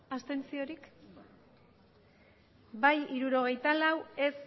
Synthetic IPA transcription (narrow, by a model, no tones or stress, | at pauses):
ast̪e̞nt͡sio̞ɾik | bajiɾuɾo̞ɣ̞e̞jt̪alawe̞s